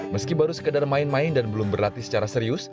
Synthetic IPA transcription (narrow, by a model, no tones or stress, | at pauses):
məskibaɾusə̥kədarmaɪnmaɪndanbəlʊmbərlat̪isə̥t͡ʃaɾasəɾiʊs